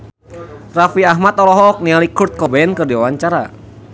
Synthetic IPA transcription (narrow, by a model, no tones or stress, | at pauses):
rafiaɦmat̪ɔlɔɦɔːk̚nialikurt̪̚kɔbɛɛnkɨrdiwawaɲt͡ʃaɾa̰